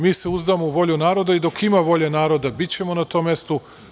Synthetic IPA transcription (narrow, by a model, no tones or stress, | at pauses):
miːse̞uzd̪amouʋo̞ʎunaːɾo̞d̪aid̪o̞kimaʋo̞ʎenaːɾo̞d̪abit͡ɕe̞mo̞nat̪o̞mje̞st̪u